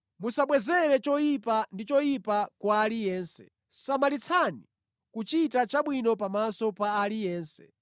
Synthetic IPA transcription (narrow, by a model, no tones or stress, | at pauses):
musaɓwɛzɛɾɛt͡ʃɔjipandit͡ʃɔjipakwaːlijɛːnsɛ̥̰ | samalit͡sʰani | kut͡ʃitat͡ʃaɓwinɔpamasɔpaːlijɛːnsɛ̥̰